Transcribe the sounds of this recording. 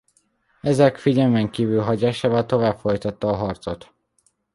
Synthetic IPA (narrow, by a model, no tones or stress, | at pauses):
ɛzɛkfiɟɛlmɛŋkiːvylɦɒɟaːʃaːvɒlt̪o̞vaːbfo̞jt̪ɒt̪ːɒːɦɒrt̪sot̪